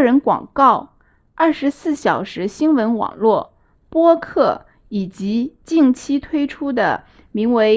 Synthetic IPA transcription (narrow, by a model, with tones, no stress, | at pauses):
ɻə˧˥nkwɑ̰˨˩ŋkɑ˥˩ʊ | ɐ˥˩ʂɻ̩˧˥sɹ̩˥˩ɕjɑ˨˩ʊʂɻ̩˧˥ɕi˥nwə˧˥nwɑ̰˨˩ŋlwɔ˥˩ | pwɔ˥kʰɤ˥˩ | i˨˩t͡ɕi˧˥t͡ɕi˥˩ŋt͡ɕʰi˥t̪ʰwe˥ɪʈ͡ʂʰu˥d̪ə̰˨ | mi˧˥ŋwe˧˥ɪ